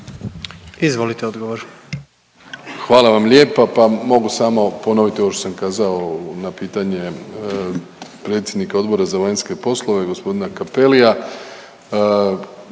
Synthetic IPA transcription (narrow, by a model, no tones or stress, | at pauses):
izʋo̞lit̪eod̪ɡoʋoɾ | xʋaːlaʋamʎʲe̞papamo̞ɡusamo̞po̞noʋit̪iooʃt̪os̬amkaːzaonapiːt̪aɲe̞ | pɾe̞t̪sʲjed̪nikao̞d̪bo̞ɾazaʋaɲnske̞po̞slˠo̞ʋe̞ɡo̞spo̞d̪inakapelija